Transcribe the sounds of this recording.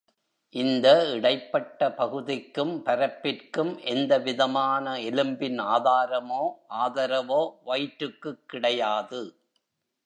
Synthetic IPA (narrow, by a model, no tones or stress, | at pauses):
ʔɪnd̪ɐɪɽɐɪpːɐʈːɐpɐɣɯðɪkːɯmpɐɾɐpːɪrkɯmʔɛnd̪ɐʋɪðɐmaːnɐɪlɯmbɪnaːðaːɾɐmoːʔaːðɐɾɐʋoːʋɐjʈɾɯkːɯkːɪɽɐjaːðɯ